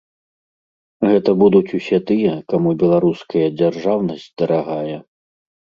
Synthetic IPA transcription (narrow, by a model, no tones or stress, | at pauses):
ɣɛt̪ɐbud̪ut͡sʲusʲɛt̪ɨjɛkamubʲɛlˠaɾuskɐjɐd͡zʲarʐawnɐsʲd͡zʲd̪ɐɾaɣajɛ